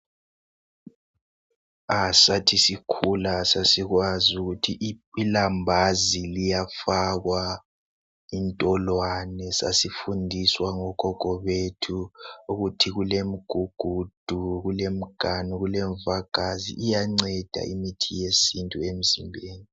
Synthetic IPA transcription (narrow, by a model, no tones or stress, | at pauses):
asatʰisikʰulasasiɣwazuɣutʰiʔilambʱazilijafaɣwa | intʼɔlwanɛsa̰sifundʱiswaŋɔkɔɡ̥ʱɔβetʰuuɣutʰiɣulem̩ɡ̥ʱuɡ̥ʱud̥ʱuɣulem̩ɡ̥ʱanuɣulɛɱvaɡ̥ʱazḭʔːjaŋ͡ǀɛd̥ʱa̰imitʰijesintʼuem̩zimbʱeːni